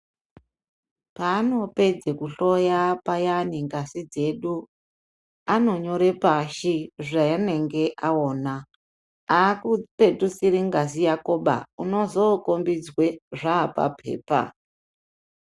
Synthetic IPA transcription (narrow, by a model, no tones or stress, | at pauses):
paːno̞pe̞d͡zekuɬo̞japajaniŋɡasid͡ze̞ɗu | ano̞ɲo̞ɾepaʃiʐaane̞ŋɡe̞ʔaoːna | akupetusiɾiŋɡasijakoɓa̰uno̞zokombid͡zwe̞ʐaːpa̰pʰḛːpa̰